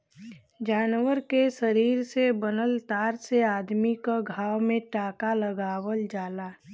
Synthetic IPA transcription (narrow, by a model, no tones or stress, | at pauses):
d͡ʒaːnwəɾkeʃəɾiːɾsebənəlt̪aːɾseaːd̪mikaɡʱaːwmẽʈaːkaləɡaːwəld͡ʒaːlaː